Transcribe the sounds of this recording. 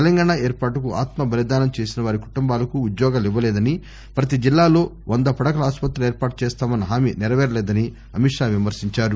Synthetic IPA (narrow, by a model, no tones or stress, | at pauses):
ɛlɐŋɡaːɳaeːɾpaːʈɐkuʔaːt̪mɐbʱɐlid̪aːnɐmt͡ʃeːsinɐʋaːɾiku̥ʈumbaːlɐkuːd̪jɔːɡaːliʋːɐlɛːd̪ɐni | pɾɐt̪id͡ʒilːaːlo̞ː | ʔond̪ɐpɐɽɐkɐlɐaːspɐt̪ɾɐeːɾpaːʈut͡ʃeːst̪aːmɐnːɐɦaːminɛɾɐʋɛːɾɐlɛːd̪ɐni | ɐmiʂaːʋimɐɾsiɲt͡ʃaːɾu